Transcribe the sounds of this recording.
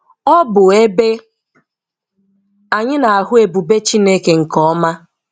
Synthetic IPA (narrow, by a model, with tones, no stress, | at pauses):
ɔ˦bʊ˨e˦be˦ | a˨ɲɪ˦na˨a˨ɦʊ˦e˨bu˨be˦t͡ʃi˦ne˦ke˨ŋ̩˨kɔ˦ma˦